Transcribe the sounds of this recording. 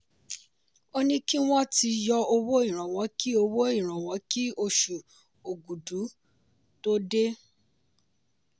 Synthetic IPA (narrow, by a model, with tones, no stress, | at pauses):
o˦nĩ˦ki˦w̃ɔ̃˦ti˧jɔ˧o˧wo˦ĩ˦˨ɾ̃ã˨w̃ɔ̃˨˦ki˦o˧wo˦ĩ˦˨ɾ̃ã˨w̃ɔ̃˨˦ki˦o˧ʃu˨ | o˨ɡu˨du˨˦ | to˦de˦